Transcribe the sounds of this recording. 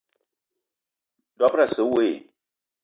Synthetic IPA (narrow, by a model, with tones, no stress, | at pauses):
dɔ˦pɾa˨sɨ˨˦we˦˨